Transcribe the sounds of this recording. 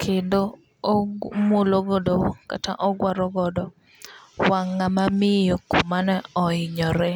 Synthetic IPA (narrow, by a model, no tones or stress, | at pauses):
kʰedo | moloɡɔdoka̰ta̰ʔɔɡwaɾɔɡɔdɔ | waŋːamamɪjokomanɛɔɪɲɔɾɛ